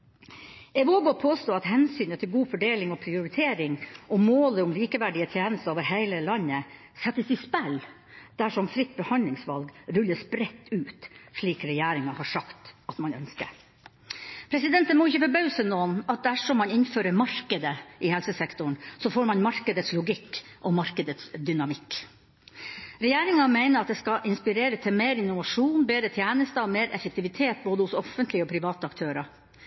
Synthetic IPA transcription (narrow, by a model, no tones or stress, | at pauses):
ɛʋoːɡɔpʰoːst̪oːɑt̪hɛnsyːnət̪ʰɪlɡuːfɔɖeːlɪŋɔpʰɾɪʊɾɪt̪ʰeːɾɪŋʔɔmoːləʊmliːkəʋæɖɪət̪ʰjeːnəst̪əoːʋəɾɦæɪləlɑnːə | sɛt̪ːəsɪspæl | d̪̥æʂɔmfɾɪt̪̚ːbɛhɑnlɪŋsʋɑlɡɾʉlːəsbɾɛt̪ːʉːt̪ʂɭiːkɾɛjæːɾɪŋɑhɑʂɑkt̪ɑt̪mɑnœ̰nskə̰ɾ | pʰɾɛsɪd̪ɛnt̪ənmɔɪçəfɔbœʉsənoːnɑt̪̚d̪æʂɔmːɑnɪnføːɾəɾmɑɾkəd̪əʔɪhɛlsəsɛkt̪ʊɳsɔfoːɾmɑnmɑɾkəd̪ət̪slʊɡɪkːʔɔmɑɾkəd̪ət̪sd̪ʏnɑmɪkː | ɾɛjæːɾɪŋɑmæɪnəɾɑt̪̚d̪ɛskɑʔɪnspɪɾeːɾəst̪ʰɪlmeːɾɪnʊʋɑʂuːnbeːd̪ɾət̪ʰjæːnəst̪əɔmeːɾʔɛ̰fəkt̪ʰɪʋɪt̪ʰeːt̪̚boːd̪əhʊsɔfənt̪lɪəɔpʰɾɪʋɑːt̪əɑkt̪ʰøːɾɑ